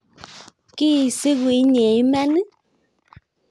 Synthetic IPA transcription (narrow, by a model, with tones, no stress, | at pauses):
ki˦˨si˦wi˨˦ɲe˨˦mɛ˦nɨ˦